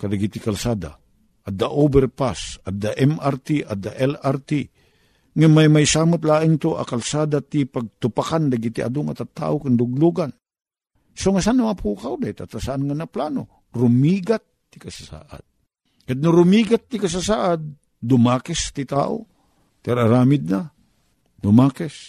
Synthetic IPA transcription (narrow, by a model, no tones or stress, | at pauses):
kad̪aɡit̪ɪkalsaːd̪a̰ | ʔad̪aʔobɛrpasad̪aʔɛmart̪iʔad̪aʔɛlaɾt̪i | ŋamajmajsaːmʊt̪laːʔɪŋt̪oʔa̰kalsaːd̪at̪ipaɡ̚t̪ʊpakand̪aɡit̪iʔa̰d̪oŋat̪at̪ːa̰ʔokɪŋd̪ʊɡ̚luɡan | soŋas̬anːɐmapʰuːkawd̪ait̪at̪asaʔanŋanaplaːno̰ | ɾʊmiːɡat̪ːɪkasasa̰ːʔa̰d̪̚ | kad̪̚nʊɾʊmiːɡat̪ːɪkas̬asaːʔad̪̚ː | ʊmaːkɛst̪ɪt̪a̰ːʔo̰ | t̪aɾaɾaːmɪd̪̚na | d̪ʊmaːkɛs